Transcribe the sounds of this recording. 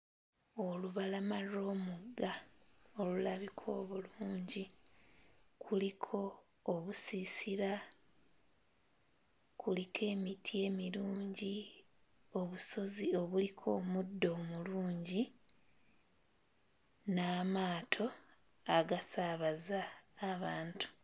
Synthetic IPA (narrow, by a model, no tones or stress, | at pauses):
o̞luβalamaɾo̞ːmuɡao̞lulaβikʰo̞ːβuluːɲɟi | kʰulikʰo̞ː | βusisiɾa | kʰulikʰe̞ːmitʰie̞ːmiɾuːɲɟi | o̞βuso̞zio̞βulikʰo̞ːmudːo̞ːmuluːɲɟi | naːmaːtʰo̞ | aɡasaβazaːβaːntu̥